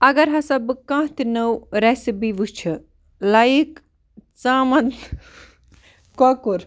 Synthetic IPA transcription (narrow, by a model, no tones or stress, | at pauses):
ɐɡɐɾɦɐsɐbkãːt̪inɐwɾesibiʋut͡ʃʰɐ | lɐik | t͡saːmɐt̪ | kokuɾ